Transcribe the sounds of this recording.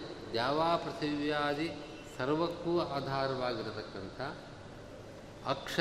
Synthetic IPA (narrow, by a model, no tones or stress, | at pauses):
d̪jaːʋaːpɾɐt̪ʰiʋjaːd̪i | sɐɾʋɐkːuːaːd̪ʱaːɾɐʋaːɡiɾt̪ɐkːɐnt̪ʰɐ | ɐkʂɐ